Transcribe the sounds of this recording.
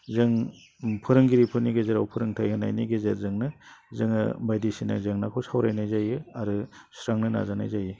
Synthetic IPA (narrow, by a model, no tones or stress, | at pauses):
zɯŋ | pʰɯɾɯŋɡiɾipʰɯniɡezeɾawpʰɯɾɯŋtʰajhɯna̰jniɡezeɾzɯŋnɯzɯŋɯ̰bajdisina̰zɯŋnakʰuwsawɾajnajzajɯaɾɯsɾaŋnɯna̰zana̰jzajɯ